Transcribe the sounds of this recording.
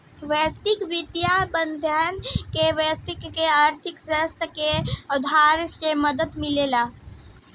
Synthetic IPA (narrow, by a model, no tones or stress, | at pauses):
ʋeːst̪ɪkʋɪd̪jabə̃nd̪ʱjaːnkeʋeːst̪ɪkːeaːɾt̪ʰɪksəst̪əkeʊd̪ʱaːɾsjeməd̪əd̪mɪleːlaː